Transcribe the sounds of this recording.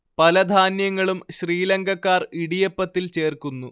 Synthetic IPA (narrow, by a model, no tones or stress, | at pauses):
pɐlɐd̪ʱaːnjɐŋːɐɭumɕriːleŋɡʱɐkːaːriɽijɐpːɐt̪ːilt͡ɕe̞ːrkunːu